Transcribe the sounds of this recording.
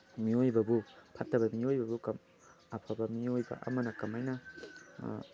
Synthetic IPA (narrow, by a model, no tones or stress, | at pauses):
miojbɐbupʰɐtːɐbɐmiojbɐbukɐm | ɐpʰɐbɐmiojbɐ̰ʔɐ̰mɐnɐkɐmajnɐ